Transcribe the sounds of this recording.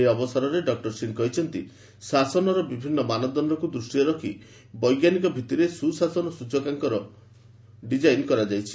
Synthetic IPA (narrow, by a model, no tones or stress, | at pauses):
eɔbɔsaɾɔɾeɖɔk̚ʈɔɾsinkɔɦit͡ʃʰɔnt̪i | sasɔnɔɾɔbibʱinːɔmanɔd̪ɔnɾɔkud̪ɾusʈiɔɾɔkʰḭ | bɔjɡjanikɔbʱit̪iɾesusasɔnɔsud͡ʒɔkaŋkɔɾɔ | ɖid͡ʒajnkɔɾad͡ʒajt͡ʃʰi̥